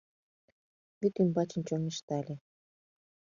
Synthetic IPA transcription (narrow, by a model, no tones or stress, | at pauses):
yt̪ymbɑt͡ɕə̆nt͡ɕoneʃt̪ɑlʲe